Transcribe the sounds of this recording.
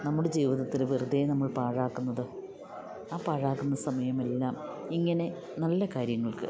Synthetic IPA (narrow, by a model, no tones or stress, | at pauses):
nɐmːuɽe̞d͡ʑiːʋiðɐt̪ːilʋirɨd̪enɐmːɐɭpaːɻaːkːunːɐðɨ | aːpaːɻaːkːunːɐsɐmɐjɐme̞lːaːmiŋːɐne̞ | nɐlːɐkaːɾjɐŋːɐɭkɨ̰